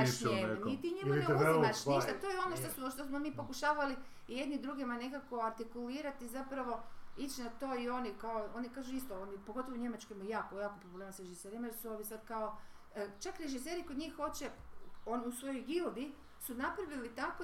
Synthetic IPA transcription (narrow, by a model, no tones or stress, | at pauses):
nnit̪iɲemioemaʃiʃt̪at̪ojeo̞noʃt̪osmoʃt̪osmomiːpo̞kuʃaːʋali | je̞d̪nid̪ɾuɡimane̞kako̞aɾt̪ikuliːɾat̪izapɾaʋo̞it͡ɕnat̪o̞io̞nikaoonikaːʒuist̪oonipoɡo̞t̪oʋoɲe̞mat͡ʃkojmajaːkojaːkopopulˠaɾnasɾeʒiseːɾimajeɾsuo̞ʋisad̪kao̞t͡ʃakɾe̞ʒiseɾiko̞d̪ɲiːxːo̞t͡ɕeoniusʋo̞jo̞jɡilod̪i | sunapɾaʋilit̪ako